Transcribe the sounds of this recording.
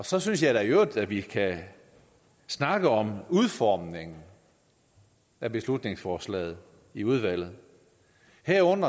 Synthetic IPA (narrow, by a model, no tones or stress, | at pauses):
ɒ̽sɒ̽synsjɑ̈ɪɾæjod̥æʋikʰæ | snɑ̈ɡ̥əɒ̽muð̞ˠfɒːmne̝ŋn̩ | æb̥e̝slud̥ne̝ŋsfɒːslɛ̰ːð̩ˠ | iuð̞ˠʋæl̰ð̞̩ˠ | heɐ̰ɔ̽n̰ɐ